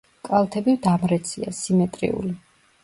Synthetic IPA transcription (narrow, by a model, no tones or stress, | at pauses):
kʼalˠt̪ʰɛbivd̪amɾɛt̪sʰia̰simɛt̪ʼɾḭṵli